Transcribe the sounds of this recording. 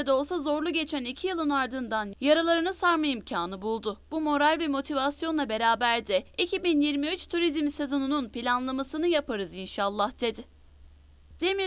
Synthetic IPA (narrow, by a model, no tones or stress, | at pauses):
ɛd̪o̞lˠsazo̞ɾlˠuɟe̞t͡ʃʰænicʰijilˠɯnaɾd̪ɯnd̪anjaɾalˠaɾɯnɯsaɾmaimcʰaːnɯbulˠd̪ʊb̥umo̞ɾalʲvɛmo̞t̪ʰivasjo̞nlˠabe̞ɾaːbæɾd̪ɛicʰibinjiɾmiyt͡ʃt̪ʰuɾizmse̞zo̞nununpilʲanlˠamasɯnɯjapʰaɾɯzinʃalˠːahd̪̥e̞d̪ɪ | d̪̥emi